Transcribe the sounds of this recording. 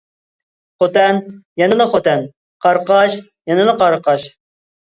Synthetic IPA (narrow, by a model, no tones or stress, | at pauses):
χot̪ɛnjɛnɨlɨχot̪ɛn | qʰɑɾqɑʃ | jɛnɨlˠɨqɑɾqɑʃ